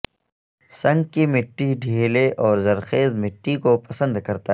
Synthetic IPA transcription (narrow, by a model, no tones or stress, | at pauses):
sɐ̃ŋɡkimɪʈːiɖʱeːleʔɔːɾzɐɾxeːzmɪʈːikopɐsə̃nd̪kɐɾt̪a